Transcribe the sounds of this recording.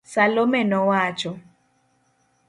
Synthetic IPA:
salomɛnɔwat͡ʃɔ

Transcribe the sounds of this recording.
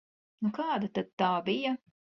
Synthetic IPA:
nukɑːd̪at̪ad̪̚t̪aːbijɐ

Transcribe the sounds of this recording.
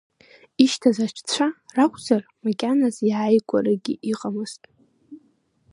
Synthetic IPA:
iʃtʰazat͡ʃʷʰt͡ɕʷʰarakʷʰʼzarmakʲʼanaziʕajkʷʼaɾɨɡʲḭʔiqʼamɨz̥tʼ

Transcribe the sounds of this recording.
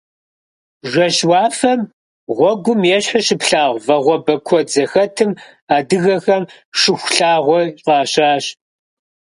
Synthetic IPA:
ʒʷɐɕwɑːfɐm | ʁʷɔɡʷʊmjɛɕħʊɕɪpɬaːʁʷvɐʁʷɔbɐkʷʰɔd͡zɐxɐtʰɨm | aːdɨɣɐxɐm | ʂɨxʷɬaːʁʷɔɕʼqʼɑːɕaːɕ

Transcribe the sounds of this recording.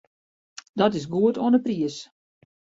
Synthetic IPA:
dɔtɪs̬ɡuətoənəpriəs

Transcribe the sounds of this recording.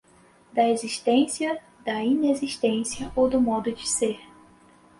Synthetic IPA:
d̪ɐeziʃt̪ẽsiɐ | d̪ɐĩneziʃt̪ẽsiɐʔowd̪ʊmɔd̪ʊd͡ʒɪseɾ

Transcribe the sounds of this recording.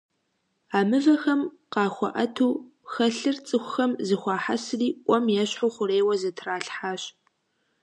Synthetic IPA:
aːmɨvɐxɐm | qɑːxʷɔ̰ʔɐtʰuːxɐɬɨrt͡sʼɨxʷʊxɐmzɨxʷɑːħasɨriːʔʷʼɔmjɛɕħuχʷʊɾeːwɐzɐtʰraːɬħaːɕ

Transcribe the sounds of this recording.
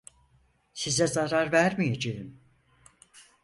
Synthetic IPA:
sizɛzaɾaɾvæɾmijed͡ʒejim

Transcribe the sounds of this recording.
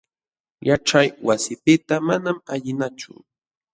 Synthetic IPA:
jaʈ͡ʂajwasɪpɪt̪amanamaʎɪnat͡ʃʊ̰

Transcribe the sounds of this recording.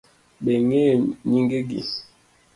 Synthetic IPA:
beŋeɲiŋɡeɡḭs

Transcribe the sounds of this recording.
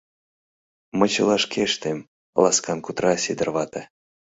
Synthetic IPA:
mət͡ɕɨlˠaʂkʰʲeʂt̪emʲ | lˠaskankut̪ɾasʲid̪ərvat̪a

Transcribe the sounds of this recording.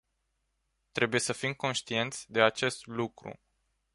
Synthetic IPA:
t̪ɾe̞buje̞səfimko̞nʃt̪ije̞nt̪sʲd̪e̞at͡ʃe̞st̪lukɾṵ

